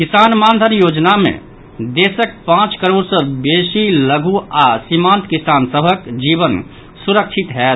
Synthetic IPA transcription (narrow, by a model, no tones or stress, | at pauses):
kisanmand̪ʱənjod͡ʒnamḛ̃ | d̪esək̚pãt͡ʃkəɾoɾsə̃besiləɡʱuasimãnt̪kisansəbʱəkd͡ʒiβən | suɾəkt͡ʃʰit̪ɦɛt̪